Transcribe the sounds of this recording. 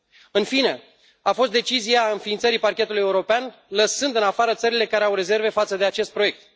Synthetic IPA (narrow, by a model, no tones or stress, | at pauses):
ɨnfine̞ | afo̞st̪d̪et͡ʃiziaɨnfiːnt̪səɾiparkʲe̞t̪ulujeuɾo̞peanləsɨnd̪ɨnafaɾət̪səɾile̞kaɾe̞awɾe̞ze̞rve̞fat̪səd̪e̞at͡ʃe̞st̪̚pɾo̞je̞k̚t̪̚